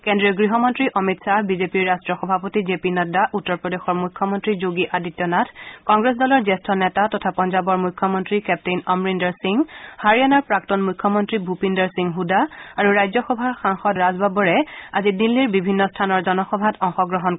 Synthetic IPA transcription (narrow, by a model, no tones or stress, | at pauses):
kendɹiɔɡɹiɦɔmɔntɹiʔɔmitsaɦbizepiɹːastɹɔxɔbʱapotizepinɔdaʔutːɔɹpɹɔdexɔɹmujkʰːɔmɔntɹizoɡiʔaditjɔnatʰkɔŋɡɹes̬dɔlɔɹzestʰɔnɛtatɔtʰapɔnzabɔɹmujkʰːɔmɔntɹikɛp̚tejnɔmɹindɔɹsiŋhaɹianaɹpɹak̚tɔnmujkʰːɔmɔntɹibʱupindɔɹsiŋɦudaaɹuɹajzɔxɔbʱaxaŋxɔtɹazbabɔɹɛazidilːiɹbibʱinːɔstʰanɔɹzɔnɔxɔbʱatʰɔŋxɔɡɹɔɦɔn